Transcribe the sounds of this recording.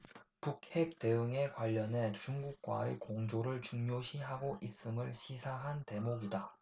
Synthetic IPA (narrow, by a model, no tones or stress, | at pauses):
puk̚ʰep̚t͈e̞ɯŋe̞kwaʎːʌne̞t͡ɕuŋɡuk̚k͈wa̰ekoŋd͡ʑoɾɯɭt͡ɕuŋɲoɕʰiɦaɡoʔis͈ɯmɯɭɕʰisʰaɦante̞moɡida